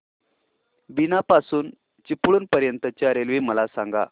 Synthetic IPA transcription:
binapasuːn | t͡ɕipɭuːnpəɾjənt̪ət͡ɕjaɾelʋiməlasaŋɡa̰

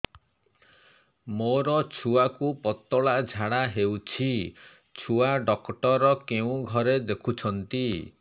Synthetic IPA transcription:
moɾɔt͡ʃʰuakupɔt̪ɔɭad͡ʒʱaɽ̃aɦewt͡ʃʰi | t͡ʃʰuaɖɔkʈɔɾɔkeũɡʱɔɾed̪ekʰut͡ʃʰɔnt̪i

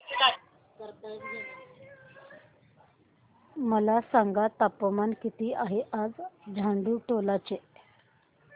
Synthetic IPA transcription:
kəɾt̪ | məlasaŋɡat̪apːəmankit̪iːʔaɦeʔad͡zd͡zʱaɳɖuːʈolat͡ɕe

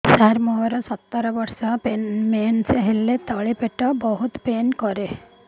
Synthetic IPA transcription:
saɾmoːɾɐsɐt̪ːɐɾɐʋɐɾsɐpenmeːnseɦilːet̪ɐɭipeʈːɐbɐɦut̪peːnkoɾe

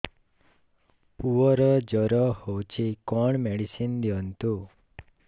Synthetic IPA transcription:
puɔɾəd͡ʒəɾɔhowt͡ʃʰikɔɳmeɽisind̪jɔnt̪u

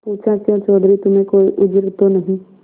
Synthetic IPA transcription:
puːt͡ʃakãt͡ʃɔːd̪ʱɾit̪ʊmẽkoːḭʔʊd͡ʒɾt̪onɐɦĩ

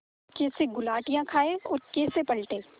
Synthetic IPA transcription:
keːseɡʊlaːʈijãkʰaːeɔːɾkeːsepɐlʈ̪eː

